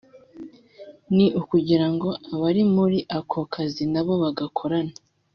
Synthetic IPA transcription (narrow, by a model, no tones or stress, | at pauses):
niʔukuɟiɾaŋɡo̞aβaɾimuɾiʔakʰokʰazinaβo̞βaɡakʰo̞ɾana